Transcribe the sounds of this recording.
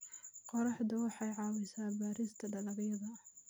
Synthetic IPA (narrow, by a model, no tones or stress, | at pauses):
qɔɾɑħd̪ʊwɑħɑjʕɑːwɛsaːbaːɾiːst̪ʰɐɖɐlɐɡjɐðɐ